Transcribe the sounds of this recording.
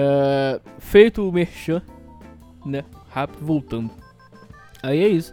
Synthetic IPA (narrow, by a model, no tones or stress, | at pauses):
ɛ | fejt̪ʊːmehʃɐ̃ | nɛhapɪʊvowt̪ɐ̃nd̪ʊ | aiɛisʊ̥